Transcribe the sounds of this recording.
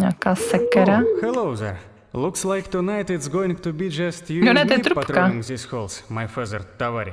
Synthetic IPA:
ɲaːkaːsɛkɛɾaxɛloʊzɛ̰ɾ | lukslajkt̪unajt̪ɪtsɡoɪ̃ŋt̪ubid͡ʒɐst̪jujonɛt̪jɛt̪ɾupat̪ɾokaɪ̃ŋzisholˠsmajfazəɾt̪avaɾi

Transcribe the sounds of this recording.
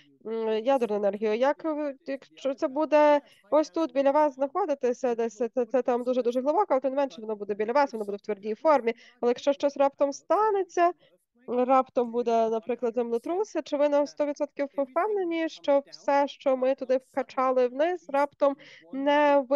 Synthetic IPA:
jad̪ɔrnʊenɛrɦʲijʊjɐkjɐkʃt͡ʃɔt̪sɛbud̪ɛ | ɔsʲt̪ut̪̚bʲilʲɐʋɑsznɐxɔd̪ɪt̪ɪsʲɐd̪ɛsʲɐɛt̪sɛt̪ɑmd̪uʒɛd̪uʒɛɦlˠɪbɔkɔɐlˠɛt̪ɔmnmɛnʃɛʋɔnɔbud̪ɛbʲidlʲɐʋɑsʋɔnɔbud̪ɛwt̪ʋɛrdʲijfɔrmʲi | ɐlˠɛjɐkʃt͡ʃɔʃt͡ʃɔsʲrɑpt̪ɔmst̪ɑnet͡sʲːɐ | ɾɑpt̪ɔmbud̪ɛnɐpɾɪklˠɐd̪zɛmlʲˠʊt̪ɾusɪt͡ʃɪʋɪnɔst̪ɔʋʲit̪sɔt̪kʲiwwpɛwnenʲiʃt͡ʃɔwsɛʃt͡ʃɔmɪt̪ʊd̪ɪwkɐt͡ʃɑlˠɪwnɪsrɑpt̪ɔmnɛʋ

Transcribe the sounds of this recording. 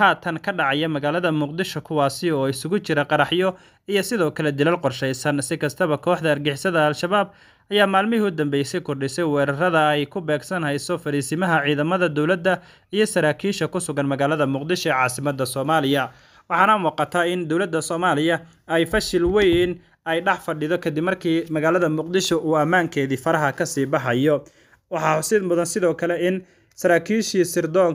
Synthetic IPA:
haːt̪ʰɐnkʰɐɖɑʕɑjɐmɐɣaːlɐðɐmʊqd̪ɪʃɔkʰʊwɑːsɪɔːɪsʊɣʊt͡ʃɪɾɐqɑɾɑħjɔ | ijɞsɪðɔːkʰɐlɛd̪ɪlɐlqɔrʃɛjsɐnsɪkʰɐst̪ʰɐβɐkʰɔːħd̪ɐːrɡɪħɪsɐðɐːlʃɐβaːb̚ | ɐjaːmaːlmɪɦiʊd̪ɐmbɛjsɛjkʰʊrɖɪsɛjwɛːɾɐrɐðɐɛjkʰʊbɛːɡsɐnɦɛjsɔfɐɾiːsɪmɐɦɐʕiːðɐmɐðɐd̪ɔwlɐd̪ːɐ | ijɞsɐɾaːkʰiːʃɐkʊsʊɣɐnmɐɣaːlɐðɐmʊqd̪ɪʃɔɛːʕɑːsɪmɐd̪ːɐsɔːmaːlɪjɐ | wɑħɑːnɐmuːqɑt̪ʰaːɪnd̪ɔwlɐd̪ːɐsɔːmaːlɪjɐ | ɛjfɐʃɪlwɛjn | ɛjɖɑħfɐɖɪðɔkʰɐd̪ɪbmɐrkʰiːmɐɣaːlɐðɐmʊqd̪ɪʃɔʔuːɐmaːŋkʰɛːðiːfɐɾɐɦɐkʰɐsiːbɑħɑjɔ | wɑħɑsɪd̪mʊðɐnsɪðɔːkʰɐlɛɪn | sɐɾaːkʰiːʃiːsɪrd̪ɔːŋ

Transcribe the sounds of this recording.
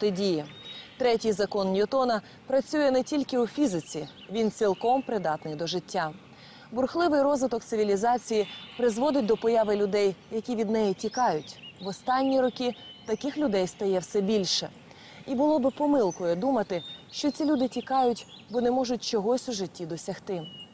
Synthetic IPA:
t̪ɪdʲijit̪ɾɛtʲijzɐkɔnnʲiɔt̪ɔnɐ | pɾɐt͡sʲujɛnɛtʲilʲkɪufʲizɪt͡sʲi | ʋʲint͡sʲilˠkɔmpɾɪd̪ɑt̪nɪjd̪ɔʒɪtʲːa | bʊrxlˠɪʋɪjrɔzʋɪt̪ɔkt̪sɪʋʲilʲizɑt͡sʲijipɾɪzʋɔd̪ɪt̚ʲd̪ɔpɔjɑʋɪlʲʊd̪ɛjjɐkʲiʋʲid̪nɛjitʲikɑjʊtʲʋɔst̪ɑnʲːiɾɔkʲit̪ɐkɪxlʲʊd̪ɛjst̪ɐjɛwsɛbʲilʲʃɛ | ibʊlˠɔbɪpɔmɪlˠkɔjɛd̪umɐt̪ɪʃt͡ʃɔt̪t͡sʲilʲud̪ɪtʲikɑjʊtʲbɔnɛmɔʒʊt̚ʲt͡ʃɔɦɔsʲuʒɪtʲːid̪ɔsʲɐxt̪ɪ

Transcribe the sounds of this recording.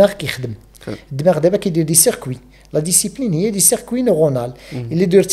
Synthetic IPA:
aʁkæjxəd̪əm | d̪ːmæʁd̪æbækæjd̪iɾd̪isəʁkwi | læd̪isiplinhəjːæd̪isəʁkwinoʁonaləlːid̪iɾt̪

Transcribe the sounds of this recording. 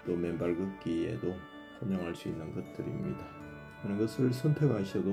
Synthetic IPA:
t͈omembaɭɡuk͈iḛdo | komjʌŋɦaɭs͈uinːɯnɡʌt̚t͈ɯɾḭmɲḭda | anɯɡʌsʰɯɭsʰʌntʰeɡɦaɕʰʌdo

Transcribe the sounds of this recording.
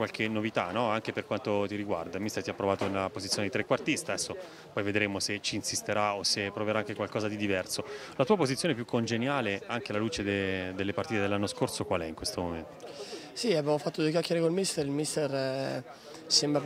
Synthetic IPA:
kwalkʰenːovit̪a̰nɔaŋk̟eperkwant̪ot̪iɾiɡwa̰rd̪almist̪ert̪iapːɾovaːt̪onelapozit̪sjoned̪it̪ɾekːwart̪ist̪aɛsːo | pɔjved̪ɾeːmoset͡ʃiːnsist̪eɾaosepːɾoveɾaaŋkekwalkɔːzad̪id̪ivɛrsolat̪uːapozit̪sːjoːnepjukʰːond͡ʒenjaːleaŋk̟elaluːt͡ʃed̪ed̪elːepart̪iːt̪ed̪elːanːoskorsokwalɛiŋkwest̪omomḛnt̪o̥ | siabjamofat̪ːod̪uek̬ʲjakːjaɾekonilmist̪eɾilmist̪er | sembɾa

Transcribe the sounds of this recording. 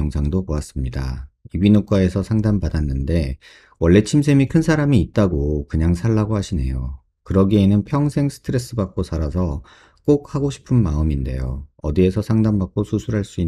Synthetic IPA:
ʌŋsʰaŋdopoas͈ɯmɲida̰ibinuk͈wae̞sʰʌsʰaŋdanbadanːɯnde̞ | wʌɭːe̞t͡ɕʰimsʰe̞mikʰɯnsʰaɾamiːt̚t͈aɡokɯɲaŋsʰaɭːaɡohaɕʰine̞̰jo | kɯɾʌɡienɯnpʰjʌŋsʰe̞ŋsʰɯ̥tʰɯɾe̞s͈ɯbak͈̚osʰaɾas̬ʰʌ | k͈ok̚haɡoɕʰi̥pʰɯnmaɯminde̞̰joʌdie̞sʰʌsʰaŋdanbak͈̚osʰusʰuɾɦaɭs͈ui

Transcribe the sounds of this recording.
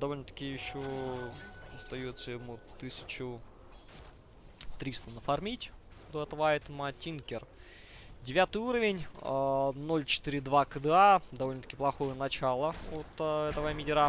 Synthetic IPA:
d̪ɐvo̞lʲnət̪ə̥kʲɪjɪɕːo | ɐst̪ɐjot̪səjɪmut̪ɨsʲɪ̥t͡ɕʊ | t̪ɾʲist̪ənəfɐrmʲitʲd̪oɛt̪vaɪt̪mɐtʲinkʲɪr | dʲɪvʲat̪ɨjuɾəvʲɪnʲ | no̞lʲt͡ɕɪ̥t̪ɨɾʲɪd̪vakəd̪ɨad̪ɐvolʲnət̪ə̥kʲɪplˠɐxo̞jənɐt͡ɕalˠəot̪ɛt̪əvəmʲɪdʲɪɾa

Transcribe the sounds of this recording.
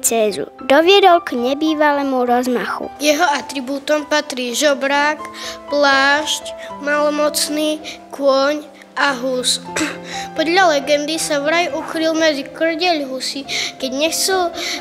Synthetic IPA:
t͡sɛːzṵd̪ɔʋɪɛd̪ɔlkɲɛbiːʋalɛːmuɾɔzmaxṵjɛɦɔat̪ɾibuːt̪ɔmpat̪ɾiːʒɔbɾaːkplaːʃcmalɔmɔt͡sniːkʊɔɲ | aɦus | pɔd̪ʎalɛɡɛnd̪isaʋɾajukɾilmɛd͡zikr̩ɟɛʎɦusikɛɟɲɛxt͡sɛl

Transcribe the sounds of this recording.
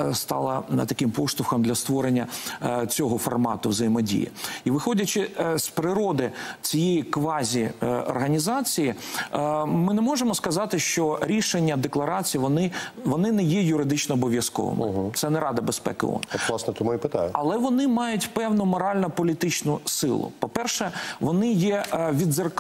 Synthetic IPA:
st̪ɑlˠɐnt̪ɐkɪmpɔst̪ˠʊxɐmd̪lʲɐst̪ʋɔɾenʲːɐt͡sʲɔɦɔfɔrmɑ̰t̪ʊʋzɐjimɔdʲḭjḭiʋɪxɔdʲɐt͡ʃɪspɾɪɾɔd̪ɪt͡sʲijejikʋɑzʲiɔ̰rɦɐnʲizɑt͡sʲiji | mɪnɛmɔʒemɔskɐzɑt̪ɪʃt͡ʃɔɾʲiʃenʲːɐd̪eklˠɐɾɑt͡sʲijʋɔnɪʋɔnɪnɛjɛjʊɾɪd̪ɪt͡ʃnɔːbɔʋʲjɐskɔ̰ʋɐ̰mɪ̰ɦt̪sɛnɛɾɑd̪ɐbespɛ̰kɪ̰ɔ̰nlˠɑsnɛt̪mɔjipɪt̪aɐlˠɛʋɔnɪmɑjʊtʲpɛwnʊmɔɾɑlʲnɐpɔlʲit̪ɪt͡ʃnʊsɪ̰lˠʊ̰pɔpɛrʃɛʋɔnɪjɛʋʲid̪zɐrk

